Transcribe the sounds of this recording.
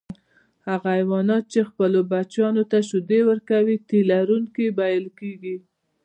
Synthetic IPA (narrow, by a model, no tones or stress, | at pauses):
haɣaːjwɑnɑt̪̚t͡ʃexpəlobat͡ʃɑnot̪aʃʊd̪ewəɾkawit̪ilaɾuŋkibajəlkeɡi